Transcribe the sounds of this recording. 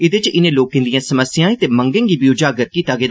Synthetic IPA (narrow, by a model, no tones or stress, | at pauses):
ɪd̪et͡ʃɪnẽːloːkːɪ̃nd̪ɪjãːsəməsɪjãːĩt̪eːməŋɡẽŋɡiːbiːʊd͡ʒaːɡəɾkiːt̪aːɡeːd̪